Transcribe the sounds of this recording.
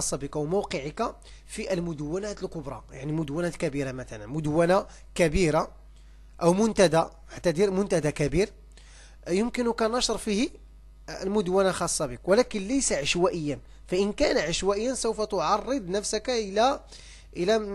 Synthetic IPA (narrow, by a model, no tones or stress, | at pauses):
ɑsˤːɑbəkawmowqəʕika | fiʔəlmʊd̪əwːænæt̪əlkʊbɾˤɑ̰jaʕnimʊd̪wænæt̪kæbiɾamæt̪ælənmʊd̪wːæna | kæbiɾa | ʔəwmʊnt̪æd̪a | ʕaʕt̪æd̪iɾmʊnt̪æd̪akæbiɾ | jəmkənukænɑʃəɾˤfihi | lmʊd̪wænaxɑsˤːɑbikwəlækənlæjsaʕaʃwæʔəjːæn | fæʔənkænʕaʃwæʔəjːənsowfæt̪ʊʕɑrˤːəd̪ˤnæfsəkʔəlæ | ʔəlæ